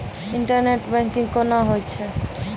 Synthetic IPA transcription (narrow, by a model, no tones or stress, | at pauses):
iɳʈəɾneʈbɛ̃ŋkĩŋkɔnaɦojt͡ʃʰɛ